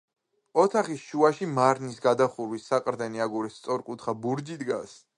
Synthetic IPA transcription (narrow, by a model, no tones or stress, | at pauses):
ɔt̪ʰaχisʃuaʃimaɾnisɡad̪aχuɾwisːaqʼɾd̪ɛniaɡuɾɛst̪sʼɔɾkʼut̪ʰχabuɾd͡ʒid̪ɡas